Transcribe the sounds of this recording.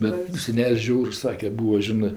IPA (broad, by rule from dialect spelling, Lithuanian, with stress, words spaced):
ˈbʲɛt sʲɛˈnʲɛlʲsʲ ˈʒʲɛʊrs ˈsɑːkʲɛ ˈbuːɐ ˈʒʲɪnɜ